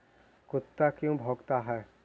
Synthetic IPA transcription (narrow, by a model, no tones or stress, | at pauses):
kʊt̪ːakjõbʱoːɡt̪aɦɛː